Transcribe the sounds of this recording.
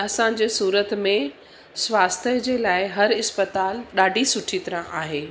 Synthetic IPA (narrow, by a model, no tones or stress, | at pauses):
ɐsãɲ̆d͡ʑeːsuːɾət̪mẽ | sʋaːst̪ʰəd͡ʑeːlaːɪɦɐɾɪspət̪aːlɗaːɖʱisʊʈʰit̪ɐɾə̃ʔaːɦeː